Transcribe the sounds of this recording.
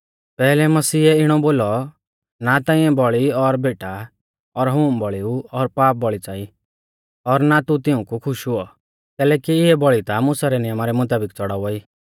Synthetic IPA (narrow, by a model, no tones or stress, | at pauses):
pɛːlɛmɐsiːɛɪɽ̃ɔboːlɔ | nat̪ãːĩɛ̃bɔɭiɔɾbeːʈa | ɔɾɦuːmbɔɭiuɔɾpaːp̚bɔɭit͡saːi | ɔɾnat̪ut̪ɪũkukʰʊʃɦʊɔ | k̪ɛːlɛːkiɪɛbɔɭit̪amʊ̃saɾɛnɪjəmaɾɛmʊt̪aːbɪkt͡sɔɽaʋɔiː